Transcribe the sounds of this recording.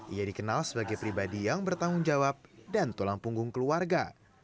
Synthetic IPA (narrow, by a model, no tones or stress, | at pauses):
ʔijadikənalsəbaɡajpɾibadijaŋbərt̪aŋʊŋd͡ʒawap̚dant̪ulaŋpuŋɡʊŋkəluarɡa